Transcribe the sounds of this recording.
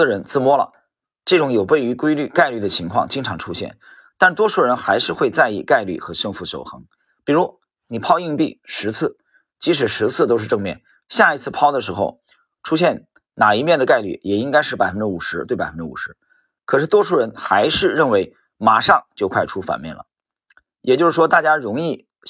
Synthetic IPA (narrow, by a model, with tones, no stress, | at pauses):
ə˧˩ɻə˧˥nt͡sɹ̩˥˧mwɔ˥lə̰˨ | ʈ͡ʂɤ˥˩ʈ͡ʂʊ˧˥ŋjo˨˩ʊwe˥˩ɪy˧˥kwe˥ɪly˥˩ka˥˧ɪly˥˩d̪ə˩t͡ɕʰi˧˥ŋkʰwɑ̰˥˧ŋt͡ɕi˥ŋʈ͡ʂʰɑ˧˥ŋʈ͡ʂʰu˥ɕjɛ̰˥˩n | t̪a˥˩n˧t̪wɔ˥ʈ͡ʂʰu˥˩ɻə˧˥nxa˧˥ɪʂɻ̩˥˧xwe˥˧ɪt͡sa˥˧ɪḭ˥˩ka˥˧ɪly̰˥˩xɤ˧˥ʂɤ˥˧ŋfu˧˥ɕjo̰˨˩ʊxɤ˧˥ŋ | pi˨˩ɻu˧˥ | ni˨˩pʰɑ˥ʊi˥˧ŋpi˥˩ʂɻ̩˧˥t͡sʰɹ̩˥˩ | t͡ɕi˧˥ʂ̬ɻ̩˨˩ʂɻ̩˧˥t͡sʰɹ̩˥˩t̪o˥ʊʂɻ̩˥˧ʈ͡ʂɤ˥˧ŋmjɛ˥˩n | ɕja˥˩i˧˥t͡sʰɹ̩˥˩pʰɑ˥ʊd̪ə˨ʂɻ̩˧˥xo˧ʊ | ʈ͡ʂʰu˥ɕ̬jɛ˥˩n | na˨˩i˧˥mjɛ˥˩nd̪ə˩ka˥˧ɪly̰˥˩jɛ˨˩i˥ŋka˥ɪʂɻ̩˥˩pa˨˩ɪfə˥nʈ͡ʂɻ̩˥u˨˩ʂɻ̩˧˥t̪we˥˩ɪpa˨˩ə˥nʈ͡ʂɻ̩˥u˨˩ʂɻ̩˧˥ | kʰɤ˨˩ʂɻ̩˥˩t̪wɔ˥ʈ͡ʂʰu˥˩ɻə˧˥nxa˧˥ɪʂɻ̩˥˧ɻə˥˩nwe˧˥ɪ | ma̰˨˩ʂɑ˥˧ŋt͡ɕjo˥˧ʊkʰwa˥˩ɪʈ͡ʂʰu˥fa̰˨˩nmjɛ̰˥˩nlə̰˩ | jɛ˨˩t͡ɕjo˥˧ʊʂɻ̩˥˩ʂwɔ˥t̪a˥˩t͡ɕja˥ɻʊ˧˥ŋi˥˩